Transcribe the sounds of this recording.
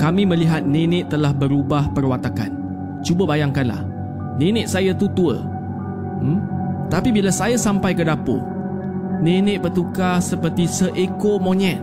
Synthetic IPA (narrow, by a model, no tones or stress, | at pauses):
kamĩmə̃liɦat̪̚nẽnɪ̃ʔt̪ːəlahbəɾubahpərwat̪aka̰n | t͡ʃubəbajaŋkanla̰h | nenɪʔ̪̚sajat̪ut̪uə̰ | t̪apibilasajasampajkədapo̰ | nẽnɪ̃ʔ̚bərt̪ukasəpərt̪isəʔekomõɲɛʔ̚